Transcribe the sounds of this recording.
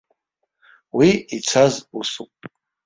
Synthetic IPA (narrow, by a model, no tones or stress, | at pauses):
wiit͡sʰazusupʼ